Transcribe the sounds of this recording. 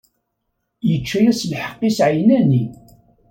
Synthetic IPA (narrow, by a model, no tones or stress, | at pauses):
jət͡ʃːæjæslħə̥qːisʕjnæni